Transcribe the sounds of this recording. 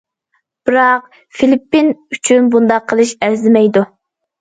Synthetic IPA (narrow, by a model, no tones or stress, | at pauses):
b̥ɨɾɑq̚ | filipːinyt͡ʃʰynbund̪ɑqʰːəlˠɨʃæɾzɪmɛjd̪u